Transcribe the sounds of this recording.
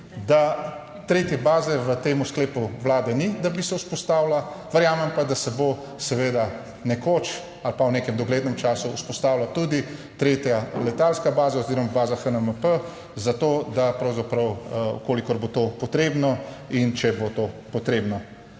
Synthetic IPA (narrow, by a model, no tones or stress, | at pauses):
d̪a | t̪ɾeːt̪jɛbaːzɛʋət̪eːmuskleːpuʋlaːd̪ɛnid̪abisɛuspɔst̪aːwlaʋəɾjaːmɛmpad̪asɛbo | sɛʋeːd̪a | nɛkot͡ʃ | alpawneːkɛmd̪ɔɡleːd̪nɛmt͡ʃaːsuuspɔst̪aːwlat̪ud̪it̪ɾeːt̪jalɛt̪alskabaːzaoziːɾɔmabaːzaxənəməpə | zat̪oːd̪apɾɐwzapɾɐwkoːlikɔɾbot̪opɔt̪ɾeːbnɔint͡ʃɛbot̪opɔt̪ɾeːbnɔ